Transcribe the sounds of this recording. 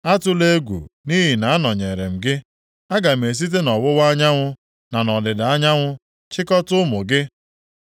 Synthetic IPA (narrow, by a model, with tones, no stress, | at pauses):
a˦tʊ˦le˦ɡʷṵ˨ni˦ɦi˨na˨a˦nɔ˨ɲe˨ɾe˨m̩˨ɡɪ˦ | a˦ɡa˨m̩˨e˨s̬i˦t̬e˦nɔ˨wʊ˦wa˦ɲa˦ŋʷʊ˦ | na˨nɔ˨dɪ˨da˨a˦ɲa˦ŋʷʊ˦ | t͡ʃɪ˦kɔ˦tʊ˦mʊ˨ɡɪ˦